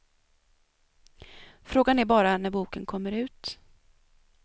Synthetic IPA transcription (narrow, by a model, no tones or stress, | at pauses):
fɾoːɡanæɾbɑːɾanæɾbuːkənkʰɔmːəɾʉ̟ːt̪